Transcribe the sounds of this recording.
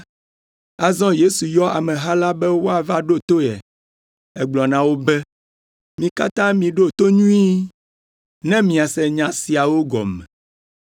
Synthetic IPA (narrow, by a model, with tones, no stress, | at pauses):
a˨zɔ̃˦je˦su˨jɔ˦a̰˨mɛ̃˨ɦa˦la˦bɛ˦wo˦a˨va˦ɖo˦t̪o˦ɛ̰˨ | ɛ˦ɡ͡blɔ˨nã˨wo˦bɛ˦ | mĩ˨ka̰˦t̪ã˦mĩ˨ɖo˦t̪o˦ɲũ˦i˦ | nɛ̃˦mĩ˨a˨sɛ˨ɲã˨si˨a˨wo˦ɡɔ̰˨mɛ̰˨